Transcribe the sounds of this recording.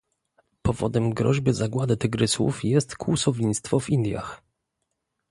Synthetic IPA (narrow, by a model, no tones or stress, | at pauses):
pɔvɔ̰d̪ɛmɡɾɔʑbɘzaɡwad̪ɘt̪ɘɡɾɘswṵfjɛst̪kuwusɔvʲɲist̪fɔvind̪ʲja̰x